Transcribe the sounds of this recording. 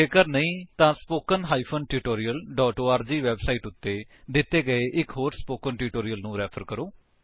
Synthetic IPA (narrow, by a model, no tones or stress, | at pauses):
eːkəɾnəĩːt̪ãːspoːkənɦaːiːpʰənʈiːʈoːɾijəlɖɔːʈoːaːɾd͡ʒiːʋɛːbsaːiːʈʊt̪ːeːd̪ɪt̪ːeːɡəeːʔɪkɦoːɾspoːkənʈiːʈoːɾijəlnũːɾɛːpʰəɾkəɾoː